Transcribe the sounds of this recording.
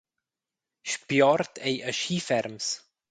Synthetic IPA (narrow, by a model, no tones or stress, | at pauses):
ʃpjɔɾt̪ʰejʔəʃiːfɛɾms